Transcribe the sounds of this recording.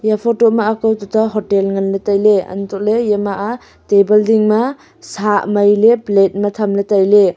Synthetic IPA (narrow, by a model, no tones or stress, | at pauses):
japʰɔtɔmaːkawtutʰaɦɔtelŋanlatajleɐ̰ntʰɔlejemaʔa | tebɐldiŋma | samajleplet̚matʰamlatajle